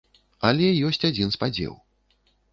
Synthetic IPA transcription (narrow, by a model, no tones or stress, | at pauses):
alʲɛjɔsʲt͡sʲad͡zʲinspad͡zʲɛ̰w